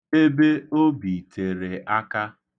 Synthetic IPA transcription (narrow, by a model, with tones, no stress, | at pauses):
e˦be˦o˦bi˨tʰe˨ɾe˨ʔa˦ka˦